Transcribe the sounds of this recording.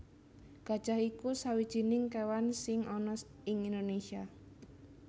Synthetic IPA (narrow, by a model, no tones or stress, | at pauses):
ɡ̥a̤d̥ʒ̥ahikusawid̥ʒ̥i̤nɪŋkewansɪŋɔnɔ | ɪŋind̪onesia